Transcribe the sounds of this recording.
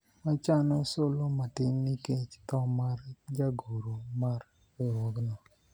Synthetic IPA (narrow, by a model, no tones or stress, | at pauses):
mat͡ʃanɔsʊlomatɪmniket͡ʃtɔmard͡ʒaɡoɾomar | eɾwɔɡnɔ